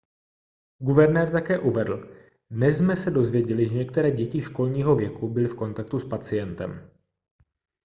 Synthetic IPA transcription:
ɡuvɛɾnɛːɾt̪akɛːʔuvɛdl̩ | dnɛszmɛsɛdo̞zvjɛɟɛlɪʒɛɲɛkt̪ɛɾɛːɟɛcɪʃko̞lɲiːɦo̞vjɛkubɪlɪfko̞nt̪ak̚t̪uspat͡sɪjɛnt̪ɛ̰m

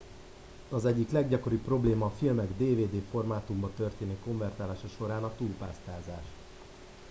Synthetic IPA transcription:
ɒzɛɟːiklɛɡɟɒko̞ɾipːro̞bleːmɒːfilmɛɡd̪eːveːd̪eːfo̞rmaːt̪umbɒt̪ø̞rt̪eːniko̞ɱvɛrt̪aːlaːʃɒʃo̞ɾaːnɒt̪uːlpaːst̪aːzaːʃ

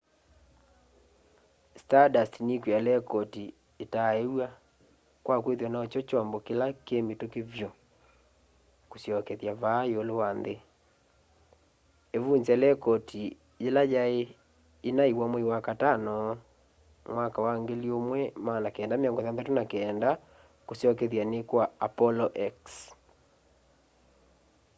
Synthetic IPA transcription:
stadastinikwalɛkɔti | etaewa | kwakweðɔnaːt͡ʃɔt͡ʃɔmbɔkelakemetokevjɔ | kosjɔkɛðjaβaːeolewanðe | eβuɲzɛlɛkɔtʰi | jelajae | inaiwamɛiwakatanɔ | mwakawaŋɡeliomwɛmanakeɛːndameɔŋɡɔðaðatonakɛnda | kosjɔkeðjanekwaapɔlɔʔɛks

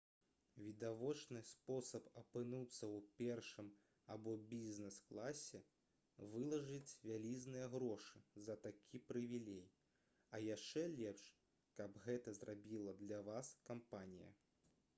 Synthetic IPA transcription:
vʲid̪avɔt͡ʂnɨspɔsɐpɐpɨnut̪sːɐwpʲɛrʂɨm | abɔbʲizʲnɛsklˠasʲɛ | vɨlˠɐʐɨt͡sʲvʲalʲiznɨjɐɣɾɔʂɨzɐt̪akʲʰipɾɨvʲilʲɛj | ɐjaʂt͡ʂɛlʲɛpʂ | kɐbɣɛt̪ɐzrʔabʲilˠɐd̪lʲɐvaskampanʲijɐ̰

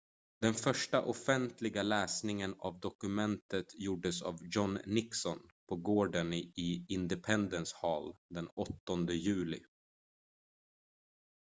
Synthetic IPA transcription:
d̪̥ɛnfœʂʈaʔɔfɛnt̪ʰlɪɡalɛːsnɪŋəna̰vd̪ɔkɵmɛnt̪ət̪juːɖəsa̰vjɔnːɪksɔnpʰɔɡoːɖənɪɪnd̪ɛpʰɛnd̪ənshɑːld̪ɛnɔt̪ːɔnd̪əjʉ̟ːlɪ̰

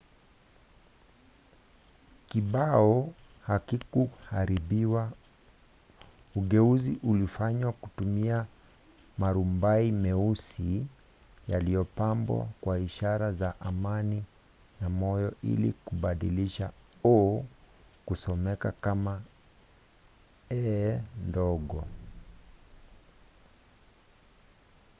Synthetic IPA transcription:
kiɓaɔ | hakikuhaɾiɓiwa | uɠɛuziʔulifaɲwakutumia | maɾumbaimɛusi | jalijɔpambwa̰kwaiʃaɾazaʔamani | namɔjɔḭlḭkuɓaɗiliʃaɔ | kusɔmɛkakama | ɛndɔɡɔ

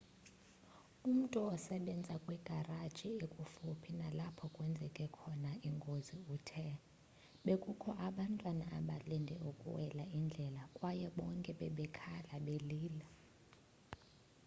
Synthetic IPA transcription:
um̩tʼuɔsɛɓɛnd͡zʱakʼwɛɡ̥ʱarad̥ʒ̥ʱiekʼufupʰinalapʰɔkʼwɛnd͡zʱɛkʼɛkʰɔnaiŋɡʱoziuːtʰɛ | ɓekʼukʰɔʔaɓantʼwanaʔaɓalɛndʱɛukʼṵwɛlaind͡ɮʱɛlakʼwajɛɓɔŋkʼɛɓɛɓɛkʰalaɓeliːla

